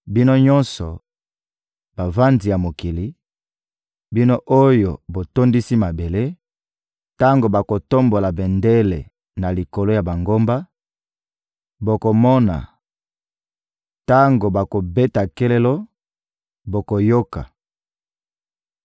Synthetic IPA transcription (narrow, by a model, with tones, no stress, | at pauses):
bi˦no˦ɲɔ˦nsɔ˨ | ba˨va˦nzi˨ja˨mo˨ki˨li˨˦ | bi˦no˦ʔo˦jo˨bo˨to˦ndi˦si˦ma˨be˨le˦ | ta˦ŋɡo˨ba˨ko˨to˦mbo˨la˨be˨nde˦le˨ | na˨li˨ko˨lo˦ja˨ba˨ŋɡo˦mba˦ | bo˨ko˨mɔ˦na̰˨ | ta˦ŋɡo˨ba˨ko˨be˦ta˨ke˦le˦lo˦ | bo˨ko˨jo˦ka̰˨